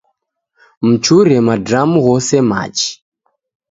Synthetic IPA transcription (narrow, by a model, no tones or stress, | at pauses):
m̩t͡ʃuɾɛmadamuɣɔsɛma̰t͡ʃi̥